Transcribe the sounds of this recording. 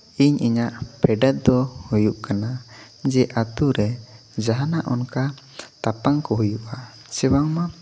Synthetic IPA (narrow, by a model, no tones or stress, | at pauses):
iɲiɲaʔpʰɛɖat̪̚d̪ɔhujuʔkana | d͡ʒɛʔat̪uɾɛ | d͡ʒaɦanaʔɔ̰nka | t̪apaŋkɔɦujuʔa | sɛwaŋma